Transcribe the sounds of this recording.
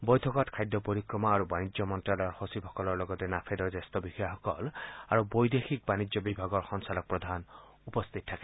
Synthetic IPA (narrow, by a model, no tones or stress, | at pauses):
bɔjt̪ʰɔkɔtkʰajd̪ɔpoɾikɹɔmaaɹubanid͡ʒjɔmɔntɹalɔɹhosipʰɔkɔlɔɹlɔɡɔt̪enapʰed̪ɔɹzest̪ɔbixɔjaɦɔkɔlaɹubɔjd̪exʰik̚banid͡ʒjɔbibʱaɡɔɹxɔnsalɔk̚pɹɔd̪ʱan | upɔst̪ʰit̪̚tʰːake̥